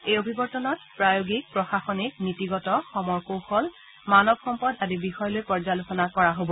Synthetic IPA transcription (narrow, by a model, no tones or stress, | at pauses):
ejobʱibɔɹtɔnɔt̚pɹajoɡik̚pɹɔxaxɔnik̚nitiɡɔtɔxɔmɔɹkowxɔl | manɔbxɔmpɔdadibixɔjɔlojpɔɹzalosɔnakɔɹaɦobɔ